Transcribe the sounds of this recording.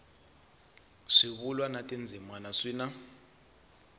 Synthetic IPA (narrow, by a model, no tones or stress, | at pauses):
ʂiβulwanatʼind͡zʱimanaʂiːna